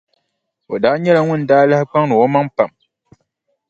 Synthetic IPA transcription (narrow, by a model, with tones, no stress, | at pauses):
o˨daː˦ɲɛ˦la˨ŋʷʊ˦n˨daː˦la˦hɪ˦k͡pa˦ŋnɨ˨o˦ma˦ŋpa˨m